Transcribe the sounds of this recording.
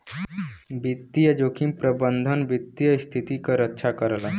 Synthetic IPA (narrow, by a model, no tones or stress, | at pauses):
bit̪ːijəd͡ʒokʰĩmpɾəbənd̪ʱənbit̪ːijəst̪ʰit̪ikəɾətːʃʰakəɾla